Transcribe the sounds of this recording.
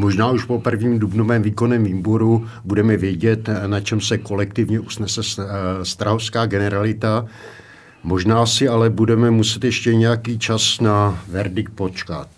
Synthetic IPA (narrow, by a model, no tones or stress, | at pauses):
mo̞ʒnaːuʃpo̞pr̩vɲiːmdubnovɛːmviːko̞nɛːmviːbo̞ɾu | budɛmɛvjɛɟɛt̪nat͡ʃɛmsɛko̞lɛk̚t̪ɪvɲɛʔusnɛsɛsst̪ɾaɦofskaːɡɛnɛɾalɪt̪a | mo̞ʒnaːsɪalɛbudɛmɛmusɛt̪jɛʃcɛɲɛjakiːt͡ʃasnavɛɾdɪk̚t̪̚po̞t͡ʃka̰t̪̚